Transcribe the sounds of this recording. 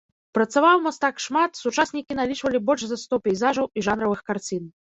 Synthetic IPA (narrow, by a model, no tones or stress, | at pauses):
pɾɐt̪savawmast̪akʂmat̪sut͡ʂasʲnʲikʲinalʲit͡ʂvɐlʲibɔlʲʂzɐst̪ɔpʲɛjzaʐɐwiʐanɾɐvɨxkart͡sʲin